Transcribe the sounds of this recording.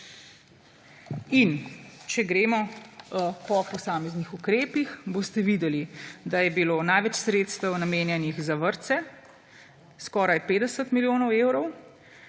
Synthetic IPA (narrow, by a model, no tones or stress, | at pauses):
int͡ʃɛɡɾeːmɔ | pɔpɔsaːmɛznixukɾeːpixboːst̪ɛʋiːd̪ɛlid̪ajɛbiloːnajʋɛt͡ʃsɾeːt̪st̪əwnameːnjɛnixzaʋəɾt̪sɛ | skɔːɾajpeːd̪ɛsət̪miljoːnɔweːwɾɔw